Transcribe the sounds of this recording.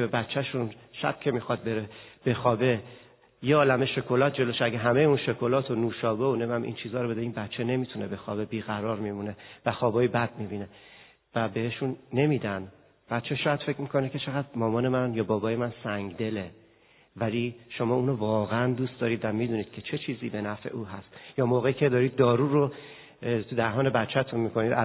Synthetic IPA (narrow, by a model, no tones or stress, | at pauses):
ebæt̪t͡ʃʰːæʃunʃæ̰b̥̚cʰe̞mixɒd̪̚be̞ɾeb̥e̞xɒːbe̞ | jeɒːlæme̞ʃo̞kʰo̞lɒːt̪̚ʰd͡ʒe̞loʃeæɡeɦæme̞jeuːnʃo̞kʰo̞lɒːt̪ʰonuːʃɒːbeone̞mæmʔḭnt͡ʃʰiːzɒːɾobe̞d̪eiːnbæt̪t͡ʃʰːene̞mit̪ʰune̞be̞xɒːbe̞biːɣæɾɒːɾmimune̞væxɒːbɒːjebæd̪̥̚mibine̞ | væbe̞heʃunːe̞miːd̪æn | b̥æt̪t͡ʃʰe̞ʃɒːjæd̪fe̞cʰmikʰo̞nekʲʰe̞t͡ʃʰe̞ɣæd̪mɒːmɒːne̞mænjɒːbɒːbɒːje̞mænsæŋɡd̪e̞le | væliʃo̞mɒːuːnovɒːɣeænd̪ust̪d̪ɒːɾiːd̪væmiːd̪uniːd̪̥̚cʰe̞t͡ʃʰe̞t͡ʃʰiːziːbe̞næfe̞̰ʔuːɦæst̪jɒːmoːɣe̞iːcʰe̞d̪ɒːɾiːd̪̚ːɒːɾuːɾo | t̪ʰud̪æɦɒːne̞bæt̪t͡ʃʰæt̪ʰunmikʰo̞niːd̪æ